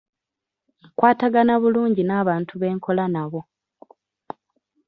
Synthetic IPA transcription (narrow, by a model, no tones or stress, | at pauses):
kwaːtaɡanaβuluːɲɟinaːβaːntʰuβe̞ːŋkʰo̞lanaβo̞